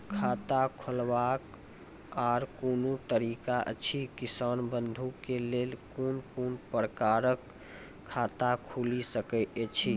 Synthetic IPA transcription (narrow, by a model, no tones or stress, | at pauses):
kʰat̪akʰəlbak | aɾkonut̪əɾikaʔə̰t͡ʃʰikisanbənd̪ʱukelelkonkonpəɾkaɾəkʰː | at̪akʰulisəkəet͡ʃʰi